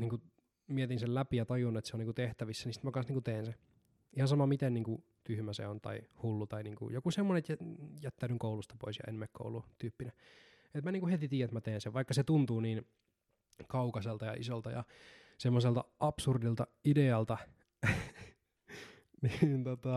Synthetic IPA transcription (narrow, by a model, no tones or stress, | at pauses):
niːŋku | miet̪insellæpijɑt̪ɑjunːet̪seoniːŋkut̪eht̪æʋisːænisi̥t̪mækɑnsniːŋkut̪eːnse | ihɑnsɑmɑmit̪enniːŋku | t̪yhmæsḛont̪ɑ̰ihulːut̪ɑiniːŋkṵjokusemːonenet̪jjæt̪ːænyŋkoulust̪ɑ̥po̰isjɑ̰ʔḛnmekko̰ulut̪yːpːine | et̪mæniːŋkuhet̪it̪iːjæet̪mæt̪eːnseʋɑikːɑset̪unt̪uːniːn | kɑukɑselt̪ɑjɑ̰ʔḭsolt̪ɑjɑ̰ | semːoselt̪ɑʔɑpsurdilt̪ɑideɑlt̪ɑ | nint̪ot̪ɑ